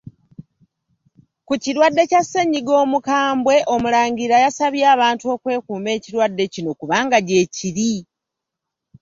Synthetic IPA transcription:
kuciɾwadːe̞casːe̞ɲːiɡo̞ːmukaːmbwe̞ʔo̞mulaːɲɟiɾajasaβjaːβaːntuo̞ːkwe̞ːkuːme̞ːciɾwadːe̞cino̞kuβaːŋɡaɟe̞ːciɾi

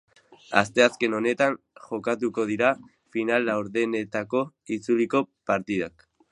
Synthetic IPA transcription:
a̰st̪e̞aske̞no̞ne̞t̪an | ʝo̞kat̪uko̞ð̞iɾa | finalawɾðe̞ne̞t̪ako̞ | it͡suliko̞paɾt̪ið̞ak

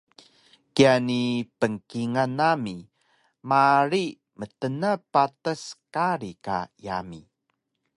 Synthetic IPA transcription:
kianipəŋkiŋanami | maɾi | mətənəpatəskaɾika̰jami

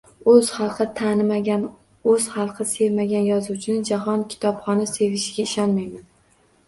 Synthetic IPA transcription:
ɵz̥χɑlˠqʰɨt̪ʰanɪmaan | ɵz̥χɑlˠqʰɨsevmaɡʲanjɒzut͡ʃʰɪnɪd͡ʒaɦɒnkʲʰɪ̥t̪ʰɒpχɒnɪse̞vɪʃɡʲaɪʃɒnmajman

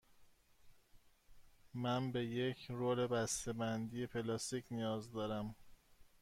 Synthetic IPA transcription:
mænbe̞jecʰɾoːle̞bæst̪ebænd̪ijepʰe̞lɒːst̪icnijɒːzd̪ɒːɾæm

